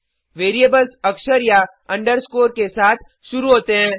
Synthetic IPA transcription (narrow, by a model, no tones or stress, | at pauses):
ʋeːɾieːbəlsɐkʃəɾja | ɐ̃ɳɖəɾskoːɾkesaːt̪ʰ | ʃʊɾuɦoːt̪eɦɛ̃ː